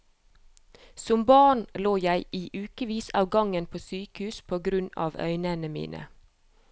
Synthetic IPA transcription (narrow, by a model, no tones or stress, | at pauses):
sʊmbɑːɳloːjæɪʔiːʔʉːkəʋiːsɑːʋɡɑŋənpʰoːsyːkhʉːspʰoːɡɾʉnɑ̰ːʋœ̰ʏnənəmḭːnʔə̰